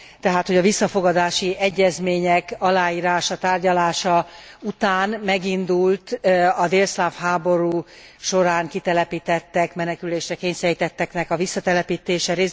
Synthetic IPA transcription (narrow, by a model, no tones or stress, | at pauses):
t̪ɛɦaːt̪ho̞ɟɒvisːɒfo̞ɡɒd̪aːʃiɛɟːɛzmeːɲɛkɒlaːjiːɾaːʃɒt̪aːrɟɒlaːʃɒut̪aːnmɛɡind̪ult̪ɒd̪eːlslafhaːbo̞ɾuːʃo̞ɾaːŋkit̪ɛlɛpiːt̪ɛt̪ːɛkmɛnɛkyleːʃɾɛkeːɲsɛɾit̪ɛt̪ːɛknɛkɒvisːɒt̪ɛlɛpiːt̪eːʃɛɾeː